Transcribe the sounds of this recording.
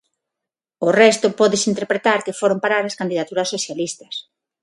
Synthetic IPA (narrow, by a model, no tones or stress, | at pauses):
orɛst̪ʊpɔðɪsint̪eɾpɾet̪aɾkefoɾompaɾaɾaskand̪iðat̪uɾɐsːoθjalist̪ɐ̥s